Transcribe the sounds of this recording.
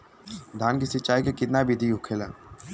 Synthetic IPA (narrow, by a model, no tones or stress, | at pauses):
d̪ʱaːnkisɪt͡ʃːaːikekɪt̪nabid̪ʱiɦʊkʰelaː